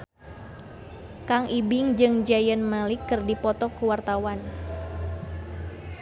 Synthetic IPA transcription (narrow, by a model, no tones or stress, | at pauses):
kaŋʔibɪŋd͡ʒɨŋd͡ʒajənmalɪkːɨrdipɔt̪ɔkuwart̪awan